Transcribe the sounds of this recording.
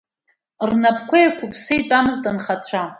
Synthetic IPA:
rnapʰʼkʷʰajkʷʰʊpʰsejtʼamɨztʼanχat͡ɕʷʰa

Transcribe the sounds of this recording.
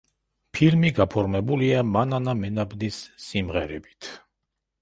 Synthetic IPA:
pʰilmiɡapʰɔɾmɛbuliamananamɛnabnisːimʁɛɾɛbi̥t̪ʰ

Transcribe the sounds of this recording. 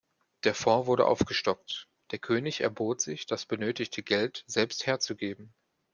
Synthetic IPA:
d̥eːɐfɔɐvʊɐɾə̰ʔa̰ʊfɡ̥əʃtɔk̚t | d̥eːɐkʰøːnɪçɛ̰ɐboːtz̥ɪçd̥asb̥ənøːtɪçtʰəɡɛltz̥ɛlpstheːɐt͡suɡeːbm̩

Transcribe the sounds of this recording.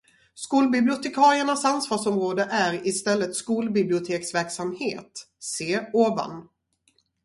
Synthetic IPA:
skuːlbɪblɪʊt̪ʰɛkʰɑːɾɪəɳasansvɑːʂɔmɾoːd̪əʔæɾɪst̪ɛlːət̪skuːlbɪblɪʊt̪ʰeːksvæɾksamhḛːt̪ | seːoːva̰n

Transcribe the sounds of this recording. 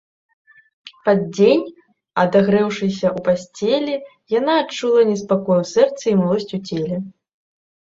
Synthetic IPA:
pad̪̚d͡zʲenʲ | ɐd̪aɣɾɛwʂɨsʲɐʔupasʲt͡sʲelʲɛ | janaːt͡ʂulˠɐnʲɛspakɔjwsɛrt̪sɐimalˠɔsʲt͡sʲut͡sʲelʲɛ

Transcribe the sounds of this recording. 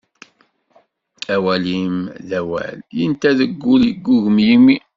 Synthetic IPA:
æwælimðæwæ̰ljənt̪æðəɡːuljəɡːuʝəmjimːi

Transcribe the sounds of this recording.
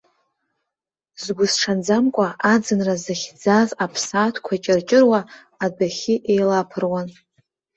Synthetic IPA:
zɡʷʊzʈ͡ʂʰand͡zamkʷʼaʔad͡zɨnrazaχʲd͡zazapʰsaːtʰkʷʰat͡ʃʼɪrt͡ʃʼɪrwa | adaχʲɪʔejlapʰɨrwan

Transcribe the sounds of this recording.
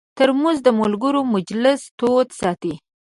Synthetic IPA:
t̪əɾmʊzd̪əmʊlɡəɾomʊd͡ʒlɪst̪ot̪sɑt̪i

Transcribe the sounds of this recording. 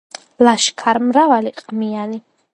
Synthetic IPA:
laʃkʰaɾmɾavaliqʼmiani

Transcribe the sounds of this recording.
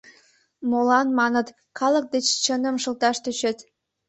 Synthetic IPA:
molɑnmɑnət̪ | kʰɑlək̚d̪et͡ɕt͡ɕənə̆mʃə̆lt̪ɑʃt̪øɕet̪

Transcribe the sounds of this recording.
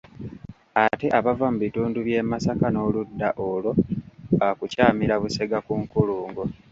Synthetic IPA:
ate̞ʔaβavamuβituːnduβje̞masakano̞ludːaʔolo̞akucaːmiɾaβuse̞ɡakuŋkuluːŋɡo̞

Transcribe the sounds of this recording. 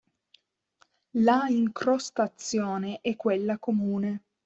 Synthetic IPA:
laiŋkɾost̪at̪sːjoːneʔɛkːwelːakomuːne

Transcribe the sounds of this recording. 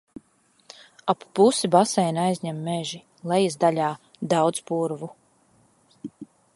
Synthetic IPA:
apːusibasɛjnajzʲɲɛmːɛʒi | lˠɛjizd̪aʎʲaː | d̪awd̪zpuɾvu

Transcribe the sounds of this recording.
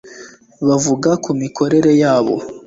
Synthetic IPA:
βavuɡakumikʰo̞ɾe̞ɾe̞jaːβo̞̰

